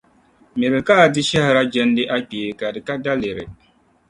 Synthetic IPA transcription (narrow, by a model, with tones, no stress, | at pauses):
mɪ˨ɾɪ˨ka˦˨dɪ˦ʃɛ˦hɪ˨ɾa˦d͡ʒɛ˦n˦dɪ˦ʔa˦k͡pe˨ka˨dɪ˨ka˦da˦le˨ɾɪ̰˨